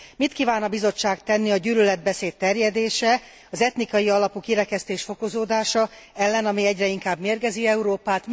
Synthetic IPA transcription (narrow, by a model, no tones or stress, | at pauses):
mit̪kiːvaːnɒbizo̞t͡ʃːaːkt̪ɛnːiɒɟyːlylɛd̪̚bɛseːt̪ːɛrjɛd̪eːʃɛ | ɒzɛt̪nikɒjiɒlɒpukiɾɛkɛst̪eːʃfo̞ko̞zoːd̪aːʃɒɛlːɛnɒmiɛɟrɛiŋkaːbmeːrɡɛziɛuɾoːpaːt̪